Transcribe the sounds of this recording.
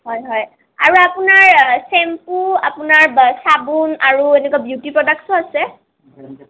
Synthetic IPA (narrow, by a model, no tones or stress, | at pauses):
ɦɔjɦɔj | aɹuapunaɹsɛmpua̰punaɹsabunaɹuenɛkuabjutipɹɔdak̚sɔasɛ